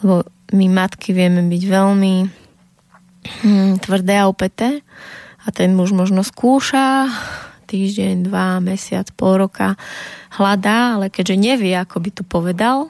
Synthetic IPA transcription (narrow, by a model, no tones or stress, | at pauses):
lɛbɔ | mimat̪kiʋɪɛmɛbiɟʋɛlmi | t̪ʋr̩d̪ɛːaɔpɛt̪ɛːat̪ɛnmuʒmɔʒnɔskuːʃa | t̪iːʒɟɛɲd̪ʋamɛsɪa̰t͡spɔlɾɔkahlad̪aːalɛkɛɟʒɛɲɛʋɪɛakɔbit̪upɔʋɛd̪al